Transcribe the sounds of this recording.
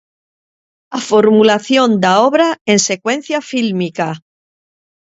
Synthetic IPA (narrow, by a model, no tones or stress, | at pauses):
afoɾmulaθjo̞nd̪aoβɾae̞nse̞kwe̞n̟θjafilmika